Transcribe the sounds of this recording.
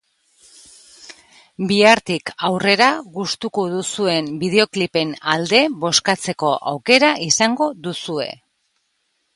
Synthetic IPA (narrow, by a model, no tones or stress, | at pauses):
biaɾt̪ikawre̞ɾaɣust̪ukoðusue̞mbiðe̞o̞klipe̞nald̪e̞βo̞skat͡se̞ko̞ʔa̰wke̞ɾaʔisaŋɡo̞ðusue̞̰